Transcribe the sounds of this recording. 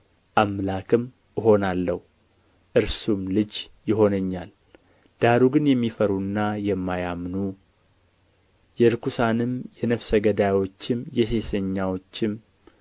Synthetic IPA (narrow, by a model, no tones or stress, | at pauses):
ʔamlakʰɨm | ɨɦo̞nalːəhu | ʔɨɾsumlɨd͡ʒjɪɦo̞nəɲːal | d̪̥aɾuɡɨnjɛmːifəɾunːajɛmːajamnu | jɛɨɾkusanɨmjɛnəfsəɡəd̪awo̞t͡ʃːɪmjɛse̞səɲːawo̞t͡ʃːɪm